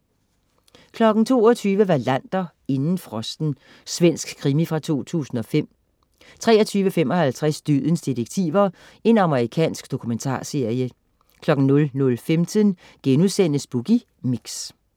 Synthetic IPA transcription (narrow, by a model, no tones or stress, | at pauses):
kʰlɒ̽ɡ̥n̩t͡sʰo̝̰ːɒt͡sʰyːʋəʋɑ̈læn̰d̥ɐ | e̝nn̩fʁɒ̽sd̥n̩ | sʋen̰sɡ̥kʰːʁimifʁɑ̈t͡sʰo̝̰ːt͡sʰṵːsn̩ɒ̽fem̰ | t͡sʰʁɛːɐt͡sʰyːʋəfemɒ̽hælt͡sʰʁasd̥yð̰ˠn̩sd̥iʁeɡ̥̚t͡sʰḭːʋɐ | e̝nɑ̈məʁikʰɛ̰ːnsɡ̥d̥o̝kʰument͡sʰɑ̰̈ːse̝ɐ̰jə | kʰlɒ̽ɡ̥n̩nɔ̽lnɔ̽lfemt͡sʰən | ɡ̥enuðˠsen̰əsb̥uɡ̥i | miɡ̥s